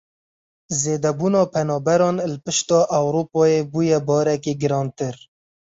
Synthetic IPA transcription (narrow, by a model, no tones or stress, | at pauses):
zeːd̪ɛbuːnɑːpʰɛnɑːbɛɾɑːnlɨpɨʃt̪ɑːʔawɾupɑːjebujɛbɑːɾɛkeɡɨɾɑːnt̪ɨɾ